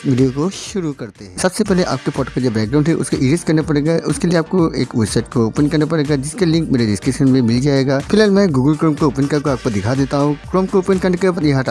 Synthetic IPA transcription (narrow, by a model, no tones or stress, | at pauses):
ʋɪɖijokoʃʊɾukɐɾt̪eɦɛ̃sɐbsepɛɦleʔa̰ːp̚kefɔːʈokod͡ʒoːbɛːk̚ɡɾaːʊ̃ɳɖɦɛʔʊ̰skoʔɪːɾɪskɐɾnapɐɽeːɡaʔʊskelieaːp̚koḛːkʋɛɖsaɪʈ̚kooːpə̃nkɐɾnapɐɽeːɡad͡ʒɪskalɪ̃ŋkmeːɾeɖɪskɐʃənmẽmɪld͡ʒaːeɡaːfɪlɦaːlmɛ̃ɡuːɡəlkɾoːmkooːpənkɐb̚koaːp̚kod̪ɪkʰad̪eːt̪aɦũkɾɔːmkooːpənkɐɾɳnkepjɐɦãʈa